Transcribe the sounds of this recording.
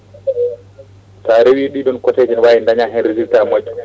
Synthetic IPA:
taɾewiːɗiɗɔnkɔted͡ʒɛnwajɛndaɲaɦɛnɾiziltamad͡ʒːu

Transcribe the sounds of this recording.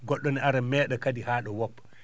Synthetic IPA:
ɡɔɗːɔnɛaɾamɛːɗɔkadihaːɗɔwɔpː

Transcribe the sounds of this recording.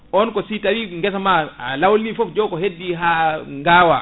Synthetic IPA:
ɔnkɔsitaɾiŋɡɛsamaalawlifɔfd͡ʒɔkɔɦedːiɦaŋɡaːwa

